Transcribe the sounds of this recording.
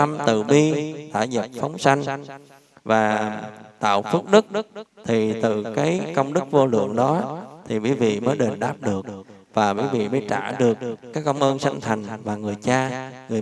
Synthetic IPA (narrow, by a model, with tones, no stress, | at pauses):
a˧mt̪ɨ˧˨˩ɓi˧t̪a̰ː˧˩zə˨˩p̚fɔ˨˦wŋ͡msa˧jŋ̟ | vaː˨˩t̪a̰ː˧˨wfɨ˦˥ək̚ɗɨ˦˥k̚t̪ʰi˨˩t̪ɨ̰˧˨kaː˨˦jkə˧wŋ͡mɗɨ˦˥k̚vo˧lɨ̰˧˨əŋɗɔ˨˦t̪ʰi˨˩ɓḭ˧˩˦vḭ˧˨məː˨˦jɗe˨˩nɗaː˦˥p̚ɗɨ˨˩ək̚ | vaː˨˩ɓḭː˨˦jvḭ˧˨məː˨˦jt͡ɕa̰ː˧˩ɗɨ˨˩əkkaː˨˦jkə˧wŋ͡mʔəː˧nsa˧jŋ̟t̪ʰa˨˩jŋ̟vaː˨˩ŋɨ˨˩əjt͡ɕaː˧ŋɨ˨˩ə˩